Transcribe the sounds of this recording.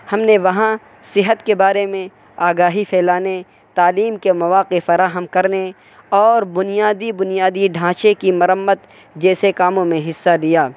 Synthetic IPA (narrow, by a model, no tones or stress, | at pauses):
hɐmneʋɐɦã | sɪɦət̪kebaːɾemẽ | aːɡaːɦipʰɛːlaːne | t̪aːliːmkemɐʋaːqefɐɾaːɦəmkɐɾne | ɔːɾbʊnijaːd̪ibʊnijaːd̪iɖʱãːʃekimɐɾəmːət̪ | d͡ʒɛːsekaːmõmẽɦɪsːalijaː